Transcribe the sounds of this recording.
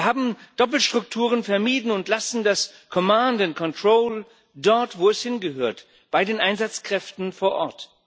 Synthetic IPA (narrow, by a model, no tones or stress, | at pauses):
ɦaːbm̩d̥ɔp̬l̩ʃtʁ̥ʊktʰuːʁ̞ənfɛɐmiːdn̩ʊntlasn̩daskʰɔmãndɪnkʰɔntʁ̥oːl | dɔɐtv̥oːɛshɪnɡəɦøːɐt | b̥aɪdeːnʔaɪnzat͡skʁ̥ɛftn̩foːɐʔɔɐt